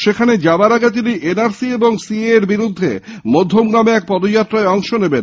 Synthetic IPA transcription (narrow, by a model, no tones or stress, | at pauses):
ʃekʰaned͡ʑabaɾaɡet̪̬iniʔenaɾsieboŋsieeɾbiɾud̪ʱːḛmod̪ʱːomɡɾameɛk̚pɔd̪od͡ʑat̪ːɾaeɔŋʃoneben